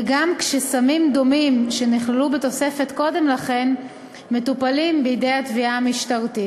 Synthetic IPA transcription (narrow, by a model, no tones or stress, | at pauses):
ɡamkʃesamimd̪o̞mimʃe̞niχlelubet̪o̞se̞fe̞tko̞de̞mlaχe̞n | me̞tupalimbeidejatviamiʃtaʁti